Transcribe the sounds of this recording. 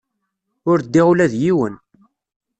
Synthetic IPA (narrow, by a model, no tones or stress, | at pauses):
ʊɾd̪ːiʁulæðjiwə̰n